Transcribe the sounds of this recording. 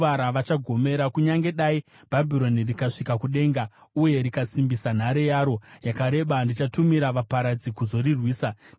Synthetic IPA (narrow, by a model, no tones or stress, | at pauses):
aɾaʋat͡ʃaɡʱo̞me̞ɾakuɲaŋɡe̞ɗai | b̥ʱabʱiɾo̞nirikaʂikakuɗe̞ːŋɡauje̞ɾikasimbisan̤aɾejaːɾo̞jakaɾe̞ɓandit͡ʃatumiɾaʋapaɾad͡zikuzo̞rirwiːsa